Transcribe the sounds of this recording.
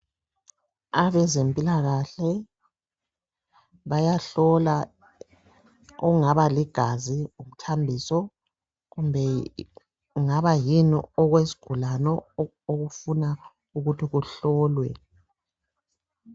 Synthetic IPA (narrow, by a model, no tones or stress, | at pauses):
aβɛzempʼilaɣaɬɛ | βajaɬɔla | ɔuŋaβaliɡ̥ʱaziumutʰambʱisɔ | ɣumbʱɛ | uŋaβajinɔ̰ɔɣwesi̥ɡ̥ʱulanɔ | oɣufuna | uɣutʰiɣuɬɔːlwɛ